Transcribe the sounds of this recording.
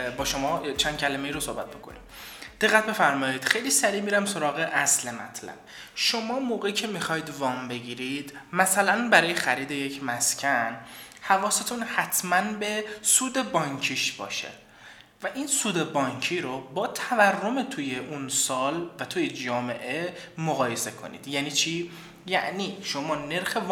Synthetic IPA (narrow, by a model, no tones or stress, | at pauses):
bɒːʃo̞mɒːt͡ʃʰænd̪̚cʰælæmejiːɾosohbæt̪̚bokʰo̰nḭm | d̪̥e̞ɣːæt̪̚be̞fæɾmɒːjiːd̪̥xejliːsæɾiːmiːɾæmso̞ɾɒːɣeʔæslemæ̰t̪ʰlæ̰b̥̚ | ʃo̞mɒːmoːɣeicʰe̞mixɒjd̪vɒːmbe̞ɟiːɾid̪̥mæsælænbæɾɒːjexæɾiːd̪eje̞cʰmæscʲʰænhævɒːset̪ʰunhæt̪ʰmænbe̞suːd̪ebɒːɲkʰiʃb̥ɒ̰ːʃḛ | væʔinsuːd̪e̞bɒːɲcʰiːɾobɒːt̪ʰæværːomet̪ʰujeʔunsɒːlvæt̪ʰuːjed͡ʒɒːme̞ʔe̞moɣɒːje̞se̞kʰo̞̰nḭːd̪̥jæːniːt͡ʃʰi | jæ̰ʔniːʃo̞mɒːne̞ɾxe̞v